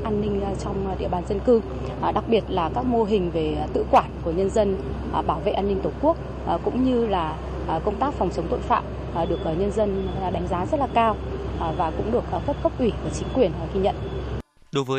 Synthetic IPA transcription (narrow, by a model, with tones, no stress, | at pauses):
ʔaː˧nːï˧ŋ̟t͡ɕɔ˧wŋ͡mɗḭ˧əɓaː˨˩nzə˧nkɨ˧˨˩ | ɗa˨˩k̚ɓi˨˩ət̚laː˨˩kaː˦˥k̚mo˧ɦï˨˩ŋ̟ve˨˩t̪ɨ̰˧˨kwaː˧˩nku˧˩əɲə˧nzə˧n˨˩ | ɓaː˧˩wvḛ˧˨ʔaː˧nːï˧ŋ̟t̪o˧˩ku˦˥ək̚ | kʊ̰˧˥ŋ͡mɲɨ˧laː˨˩ | kə˧wŋ͡mt̪aː˦˥k̚fɔ˨˩wŋ͡mt͡ɕə˨˦wŋ͡mt̪ʰo̰˧˨jfa̰ː˧˨m˩ | ɗɨ˨˩ək̚ɲə˧nzə˧n˩ɗa˨˦jŋ̟zaː˨˦zə˦˥t̚laː˨˩kaː˧w | vaː˨˩kʊ̰˧˥ŋ͡mɗɨ˨˩ək̚xə˦˥p̚xə˦˥p̚ʔwi˧˩kə˧˩t͡ɕï˨˦ŋ̟kwi˨˩ənvaː˨˩ɣi˧ɲə̰˧˨n | ɗo˨˦jvəː˨˦